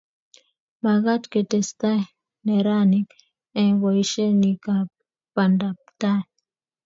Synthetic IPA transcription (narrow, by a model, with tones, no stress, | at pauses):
ma˨ɣa˦t̪ke˨t̪e˨st̪a˦ | neɾa˦nik | e˨waiʃe˦nika | pand̪ap̚t̪a˦